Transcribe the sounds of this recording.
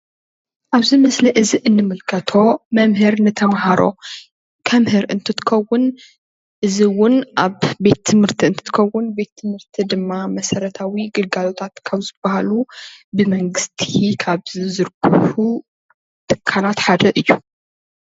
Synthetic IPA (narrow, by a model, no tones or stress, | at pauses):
ʔaβzimɐslɐʔɨziʔɨnːɨmɨlkʰɐt̪ʰo̞mɐmhɨɾnɨt̪ʰɐmhaɾo̞̰ | kʰɐmhɨɾʔɨ̰nt̪ʰɨt̪ʰɨ̥kʰɐwːʊn | ʔɨziwʊnʔaβbe̞t̪ʰːɨmhɨɾt̪ʰiɨnt̪ʰɨ̥t̪ʰɨkʰɐwːʊnbe̞t̪ʰːɨmhɨɾt̪ʰid̪ɨmːamɐsɐɾɐt̪ʰawiɡɨlɡalo̞t̪ʰat̪kʰaβzɨb̥ahalubɨmɐŋɡɨst̪ʰikʰaβzizɨɾkʰɨhu | t̪ʰɨ̥kʰːalat̪ħad̪ɐʔɨjːu